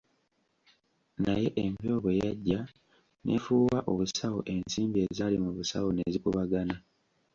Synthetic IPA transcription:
naje̞ʔempio̞βwe̞jaɟːa | nʔḛfuːwaʔoβusawo̰ʔe̞nsiːmbie̞ːzalimuβusa̰wone̞zikuβaɡana

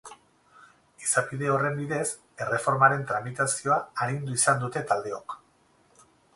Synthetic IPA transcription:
isapiðe̞o̞re̞mbiðe̞s | e̞re̞fo̞ɾmaɾe̞nt̪ɾamit̪asio̞aːɾind̪uisand̪ut̪e̞t̪ald̪e̞o̞k

